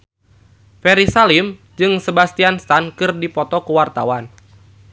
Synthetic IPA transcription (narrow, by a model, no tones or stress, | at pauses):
fɛɾisalim | d͡ʒɨŋsəbast̪ianst̪ankɨrdipɔt̪ɔkəwart̪awan